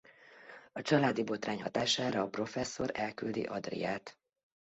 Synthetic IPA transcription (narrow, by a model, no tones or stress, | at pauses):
ɒt͡ʃɒlaːd̪ibo̞t̪raːɲhɒt̪aːʃaːɾɒːpro̞fɛsːo̞ɾɛlkyld̪ḭʔɒd̪rḭjaːt̪